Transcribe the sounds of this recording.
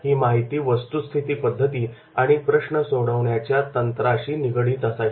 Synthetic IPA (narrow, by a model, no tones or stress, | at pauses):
ɦiːmaɦit̪iːʋəst̪ust̪ʰit̪iːpəd̪ʱːət̪iː | aɽ̃ipɾəɕɳəsoɽəʋɳjat͡ɕjat̪ənt̪ɾaɕiːniɡɽiːt̪əsaɦi